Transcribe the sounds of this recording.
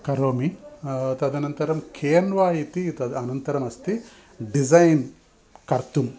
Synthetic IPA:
kɐɾoːmit̪ɐd̪ɐnɐnt̪ɐɾɐmkʰeːnʋaːit̪it̪ɐɐnɐnt̪ɐɾɐmɐst̪i | ɖizɐjn | kɐɾt̪um

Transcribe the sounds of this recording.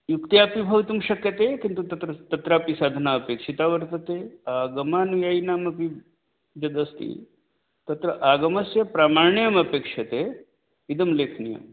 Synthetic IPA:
jukt̪jaɐpibʱɐwt̪umʃɐkjɐt̪ekint̪ut̪ɐt̪ɾɐt̪ɐt̪ɾapisaːd̪ʱɐnaɐpeːkʂit̪aʋɐɾt̪ɐt̪eaːɡɐmaːnʋjainaːmɐpi | d͡ʒɐd̪ɐst̪ḭ | t̪ɐt̪ɾɐʔaːɡɐmɐsjɐpɾaːmaɾɳijɐmɐpeːkʂɐt̪e | id̪ɐmleːkʰnijɐ̰m

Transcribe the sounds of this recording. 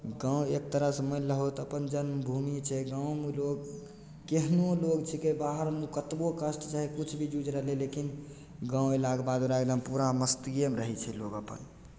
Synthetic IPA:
ɡãwek̚t̪əɾasəməɪləɦot̪əpənd͡ʒənmbʱumit͡ʃʰɛɡãwmeloɡ | keɦnoloɡt͡ʃʰɛkebaɦəɾmukət̪bokəsʈt͡ʃaɦikut͡ʃʰbʱid͡ʒud͡ʒɾəɦlelekin | ɡãwelaɡbad̪oɾaɡləmpuɾaməst̪iemɾəɦɛt͡ʃʰɛloɡəpə̰n

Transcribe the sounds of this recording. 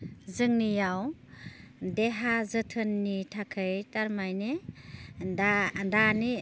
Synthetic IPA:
zɯŋnijaw | deɦazətʰɯnːitʰakʰɯjtaɾmajne | dandani

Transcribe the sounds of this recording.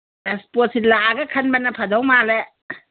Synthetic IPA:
espɔsilaɡakʰɐnbanɐpʰadɔwmale

